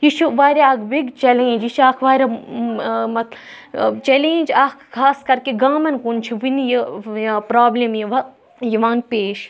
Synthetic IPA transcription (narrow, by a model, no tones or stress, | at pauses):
jit͡ʃʰuʋaːɾʲeaːɡʋiɡt͡ʃɐlẽːd͡ʒiʃʰaːkʰʋaːɾʲɐ | mɐt̪ | t͡ʃɐlẽd͡ʒaːkʰkʰːaːskɐɾkeɡaːmɐnkunt͡ʃʰiʋinjipɾaːblemjiʋɐ | jiʋãːnpeːʃ